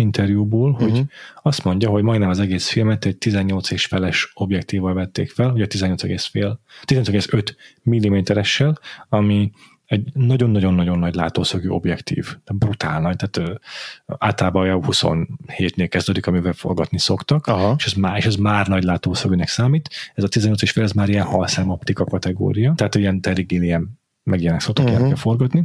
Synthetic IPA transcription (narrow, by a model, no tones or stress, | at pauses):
int̪ʰɛrjuboːlho̞ɟɒst̪mo̞ɲɟɒɦo̞ɟmɒjd̪nɛmɒzɛɡeːsfilmɛt̪ːɛɟ̚t̪izɛɲːo̞lt̪seːʃfɛlɛʃo̞bjɛkt̪iːvɒlvɛt̪ːeːkfɛloɟɒt̪izɛɲːot̪sɛɡeːsfeːlt̪izɛnɲosɛɡeːsøt̪milːimeːt̪ɛɾɛʃːɛlɒmi | ɛɟnɒɟo̞nːɒɟo̞nːɒɟo̞nːɒɟla̰ːt̪oːsɒɡyo̞̰bjɛkt̪ḭːvt̪aːbrut̪a̰ːlnɒjt̪aːt̪ː | aːlt̪ɒlaːbɒjɛhuso̰nheːt̪neːlkɛzd̪øːd̪ikɒmivɛlfo̞̰rɡɒt̪niso̞kt̪ɒkɦeʃɛzmaːeːʃɛzmaːrnɒɟlaːt̪oːsɒɡøːnɛksaːmiːt̪ɛzɒt̪izɛɲo̞lt̪seːʃfeːlɛzmaːɾijɛnhɒlsɛmopt̪ikɒkɒt̪ɛɡo̰ːɾijɒt̪ɛɦaːt̪ːiɛnt̪ɛriɡeːlijɛmː | ɛɡjɛnɛkso̞k̚t̪okɛnɛkɛlfo̞rɡɒt̪ni